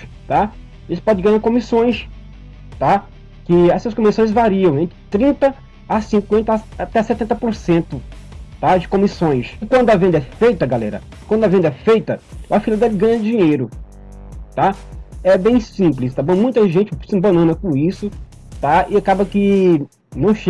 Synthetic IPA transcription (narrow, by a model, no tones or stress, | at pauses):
t̪a | ʒẽt͡ʃɪ̥pɔd͡ʒɪɡɐ̃ɲaɾkõmisõj̃s | t̪a | kɪɛsɐskõmisõj̃zvaɾiɐ̃w̃ẽnt̪ɾɪt̪ɾĩnt̪ɐː | sĩŋkwẽnt̪ɐat̪ɛsɛt̪ẽnt̪ɐpoɾsẽnt̪ʊt̪ad͡ʒɪkõmisõj̃sɪkwɐ̃nd̪ʊɐvẽnd̪ɐɛfejt̪ɐɡalɛ̰ɾɐ̰ | kwɐ̃d̪ʊɐvẽnd̪ɐɛfejt̪ɐɐfilɐd̪ɛlɪɡɐ̃ɲɐd͡ʒĩɲejɾʊ | t̪aɛbẽj̃sĩp̬lɪst̪abɐ̃mũj̃t̪ɐʒẽnt͡ʃɪsɪĩbɐ̃nɐ̃nɐkõisʊ | t̪aɪakabɐkɪ | nɐ̃w̃ʃ